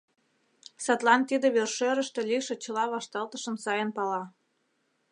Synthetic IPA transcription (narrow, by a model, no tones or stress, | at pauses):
sɑt̪lɑnt̪id̪ĕβerʃøɾə̆ʃt̪ĕlʲiʃĕt͡ɕə̆lɑβɑʃt̪ɑlt̪ə̆ʃə̆msɑjənpɑlɑ